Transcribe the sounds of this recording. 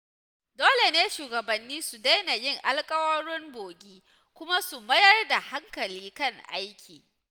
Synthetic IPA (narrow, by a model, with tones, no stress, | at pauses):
doː˦le˨neː˦ʃuː˨ɡɐ˨bɐ˨nːiː˦su˨da˦jna˨jɪ˦ŋʔa˦lkʼɐ˦wɐ˦ɽʊ˦mboː˨ɡʲiː˦ | kʷʊ˦ma˦su˨mɐ˦jɐ˦rda˨ha˦ŋkɐ˨liː˦kɐ˦˨ŋʔa̰˦jkʲiː˨